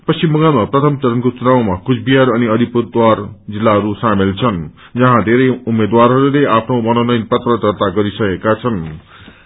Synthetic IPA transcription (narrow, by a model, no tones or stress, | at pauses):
pʌst͡ɕimʌɡamaprʌt̪ʰʌmt͡sʌɾʌnkot͡sunawmakusʰbiaɾʌniʌd̪ʱipud̪ward͡zilːaɦʌɾusamelt͡sʰʌn | d͡zʌɦãd̪ʱeɾʌjumːed̪waɾɦʌɾuleʔapʰnomʌnonʌjnpʌt̪rʌd̪ʱʌrt̪aɡʌɾisʌkekat͡sʰʌn